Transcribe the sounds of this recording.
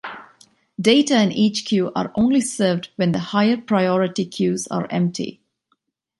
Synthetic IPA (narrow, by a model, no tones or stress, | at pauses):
ɖeɪʈaɪ̃niːt͡ʃkʰjuːʔa̰ːɾʔõːnlisəːʋɖʋɛ̃nd̪əhaɪəɾpɾaɪɔːɾɪʈikʰjuːza̰ːɾɛ̰̃mp̚ʈʰḭ